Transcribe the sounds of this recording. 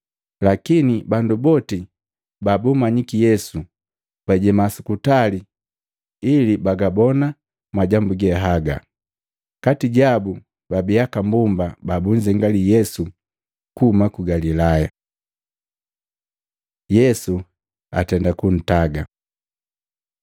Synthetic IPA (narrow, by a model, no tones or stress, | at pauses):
lakinibandubɔti | babumaɲikijɛsu | b̥aɟɛmasukutali | ilibaɡabɔna | mwaɟambuɡɛɦaɡa̰ | katiɟabu | babiakambumbababuɲd͡ʒɛŋɡalijɛsu | kumakuɡalilaja | jɛsu | a̰tɛndakun̩taɡa